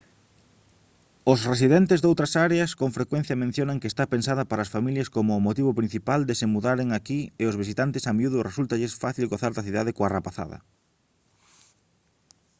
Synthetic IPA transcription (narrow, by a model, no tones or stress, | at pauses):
ʊsres̬iðent̪ɪzðowt̪ɾɐsaɾeɐskoŋfɾekwẽn̟θjɐmẽn̟θjonɐŋkest̪apensaðɐpaɾaːsfamiljɐskomʊːmot̪iβopɾin̟θipald̪ɪsemuðaɾeŋakiɪozβ̞is̬it̪ant̪ɪsamiuðʊresult̪ɐʎɪsfaθilɣoθaɾd̪ɐθiðaðɪkoarapaθa̰ðɐ̰